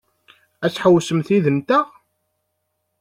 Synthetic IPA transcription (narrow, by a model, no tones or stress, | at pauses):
æt͡sːħəwsəmθiðənt̪əʁ